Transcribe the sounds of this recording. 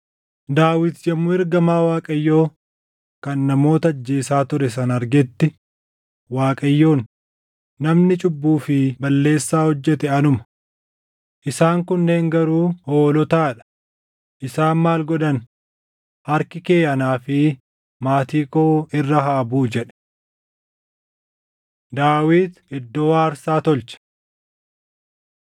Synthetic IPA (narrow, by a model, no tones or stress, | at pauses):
d̪aːwɪd̪jɐmːʊɪɾɡɐmaːwaːkʼɐjːo̞ː | kɐnːɐmo̞ːt̪ɐɐd͡ʒːeːsaːt̪ʊɾɛs̬ɐnɐɾɡɛt̪ːɪ | waːkʼɐjːo̞ːnː | ɐmnɪt͡ʃʼʊbːuːfɪbɐlːe̞ːsːaːhɔd͡ʒːɛt̪ɛɐnʊmɐ | ʔɪsaːŋkʊnːe̞ːŋɡɐɾuːhoːlɔt̪aːᶑɐ̥ | ʔɪsaːnmaːlɡɔᶑɐn | hɐɾkɪkeːʔɐnaːfɪ | maːt̪iːkoːɪrːɐɦaːbuːd͡ʒɛᶑɛ̥ | d̪aːwiːd̪ɪd̪ːoːaːɐɾsaːt̪ɔlt͡ʃɐ̥